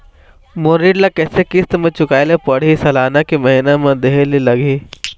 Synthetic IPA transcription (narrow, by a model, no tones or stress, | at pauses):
moɾiːɖlakɛːsekɪst̪mẽt͡ʃʊkaːjlepɐɽ̤isɐlaːnakimɐɦinamãd̪eɦelilɐɡiː